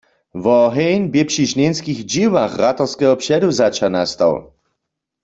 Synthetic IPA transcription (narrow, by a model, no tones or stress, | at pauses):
vɔɦɛjnbjepʃiɣʃnenskiɣd͡ʒiwaxʁat̪ɔʁskɛɦɔpʃɛduzat͡ʃanast̪a̰w